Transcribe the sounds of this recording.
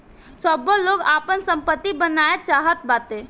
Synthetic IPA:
sɔbəloːɡaːpənsə̃mpət̪ːibənaːet͡ʃaːɦət̪̚baːt̪eː

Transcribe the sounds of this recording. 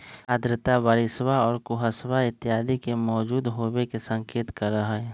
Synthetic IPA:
əd̪ɾɪt̪aʋəɾɪswaɔːɾkʊɦəswaɪt̪ːɪjaːd̪ikemɔːd͡ʒuːd̪ɦoːwekesɐ̃ŋkeːt̪kɐɾaɦaɛː

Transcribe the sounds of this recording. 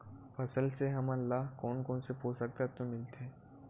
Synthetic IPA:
fɐsəlseɦɐmɐlːaɦkɔːnkɔːnsepʰoːsɐk̚t̪aɦɛt̪õmɪlt̪eɦɛ̃

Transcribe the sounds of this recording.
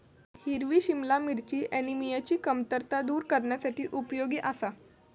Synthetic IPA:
hiɾʋiːɕimlamiɾt͡ɕiːʔɛnimijat͡ɕiːkəmt̪əɾt̪ad̪uːɾkəɾɳjasaʈʰiːʔupjoɡiːʔasa

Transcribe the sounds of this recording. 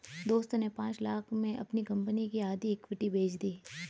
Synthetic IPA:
d̪oːst̪onepãːt͡ʃlaːkʰmẽʔɐ̰pnikɐ̃mpnikiaːd̪iekʋɪʈibʱeːd͡ʒd̪iː

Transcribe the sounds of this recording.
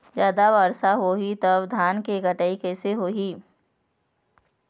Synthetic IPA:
d͡ʒjaːd̪aʋəɾsaɦoːɦit̪ɐbd̪ʱaːnkeɡəʈaikɛːseɦoːɦiː

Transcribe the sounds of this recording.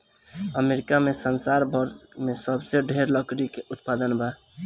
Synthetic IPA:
əmeɾɪkamẽsənsaːɾbʱəɾmẽsəbseɖʱeːɾlɔkɾikeʔʊt̪paːd̪ənbʱa

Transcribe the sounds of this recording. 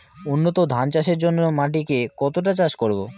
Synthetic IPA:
unːot̪od̪ʱant͡ɕaʃeɾd͡ʑonːomaʈ̬ikekɔt̪oʈ̬at͡ɕaʃkoɾbo

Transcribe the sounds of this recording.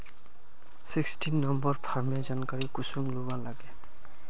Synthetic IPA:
sikstʰinːɔmbɔɹpʰaɹmɔzankaɹikusumlobalaɡɛ

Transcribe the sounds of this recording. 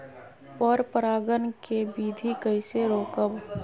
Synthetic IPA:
pɔɾpəɾaːɡənkebiːd̪ʱikəɪseɾoːkəb

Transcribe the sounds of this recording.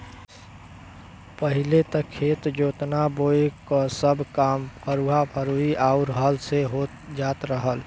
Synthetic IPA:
pəɦilet̪əkʰet̪d͡ʒot̪naboekəsəbʱkampʰəɾuɦapʰəɾuiʔauɾəɦəlseɦot̪d͡ʒat̪ɾəɦəl

